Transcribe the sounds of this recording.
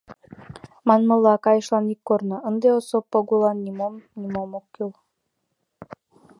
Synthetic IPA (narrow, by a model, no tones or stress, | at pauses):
mɑnmɤ̆lˠːɑkɑjɤ̆ʃlˠɑnikːornɤ̆ənd̪eosopːoɡulˠɑnːimomnʲimomokːylˠ